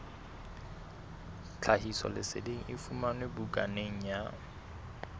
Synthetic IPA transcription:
t͡ɬʰahisɔ̰lɪsḛdeŋ̩ʔɪfumanwebukʼaneŋ̩ja

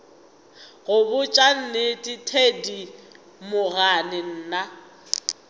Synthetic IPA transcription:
ɣʊbʊt͡ʃʼan̩nɪtʼitʰedi | mʊɣanɪn̩ːna

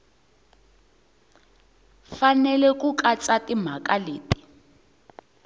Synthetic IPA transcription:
fanɛlɛk̬ʼuk̬ʼat͡satim̤akʼaleːti̥

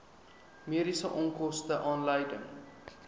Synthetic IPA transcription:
miəɾisəʔɔŋkɔstəʔɑːnləjdəŋ

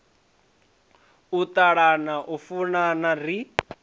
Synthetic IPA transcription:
ut̪aɺanaʔufunanari

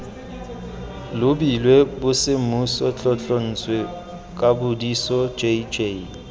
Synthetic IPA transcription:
lʊbilwebʊsɪmusɔt͡ɬʼɔt͡ɬʼɔn̩t͡sʼwe | kʼabʊdisɔd͡ʒed͡ʒe

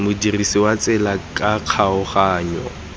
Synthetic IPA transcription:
mʊdirisɪwat͡sʼɛlakʼaq͡χʰaʊχaːɲɔ̰

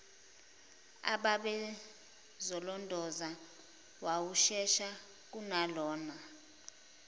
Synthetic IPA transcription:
a̰ɓaɓɛ | zɔlɔndʱɔza | wawuʃɛʃa | k̬unalɔːna

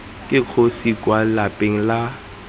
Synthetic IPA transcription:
kʼɪq͡χʰosikʼwalapʼeŋ̩la

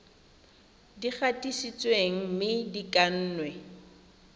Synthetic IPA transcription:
dik͡xatʼisit͡sʼweŋ̩mɪdikʼan̩ːnwɛ

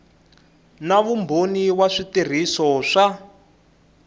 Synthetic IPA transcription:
naβumbʱoniwaʂitir̤isɔʂa

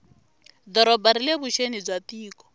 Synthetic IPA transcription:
d̪ɔɾɔbaɾilebuʃenid͡zwatiːkɔ̥

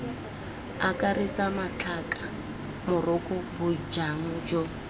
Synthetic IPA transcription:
akʼaret͡sʼamat͡ɬʰakʼḁ | mʊrʊkʼʊbʊd͡ʒaŋ̩d͡ʒɔ

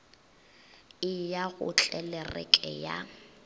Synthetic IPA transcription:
ɪjaɣʊ̰t͡ɬʼɛlɛrɛ̰kʼɛja̰

